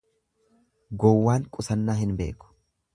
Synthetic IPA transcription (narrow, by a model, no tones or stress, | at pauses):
ɡɔwːaːŋkʼʊsɐnːaːhɪnbe̞̰ːkʊ̥